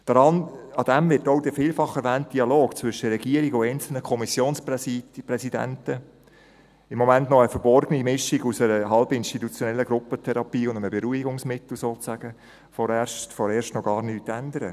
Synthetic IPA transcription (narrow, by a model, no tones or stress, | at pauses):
d̥ɾɑnɑd̥̪ɛmvɪtoʊd̥əfiːlfɑχːɛɾvæːnt̚d̥iɑloːkt͡sʋʏʃːəɾɛɡiəɾiɡʊɛɪnt͡sl̩nəkʰɔmisjoːnsppɾɛsidæ̰ntə | ɪmːɔmæntnɔəfəɾbɔɾɡ̥ənimɪʃiɡusəɾəɦɑlbəɪnʃtitut͡sjɔnɛlːəɡɾʊpətʰɛɾɑpiːʊnd̪əməbeɾuiɡʊŋsmɪtl̩ˠsoːtæɡ̥ə | fɔɾɛʃtfɔɾeːʃtnɔɡɑːɾnyːtːænd̪əɾə